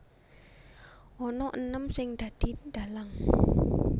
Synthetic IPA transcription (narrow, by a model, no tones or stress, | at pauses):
ʔɔnɔʔənəmsɪŋd̪̥ä̤d̪̥i̤d̥̪a̤laŋ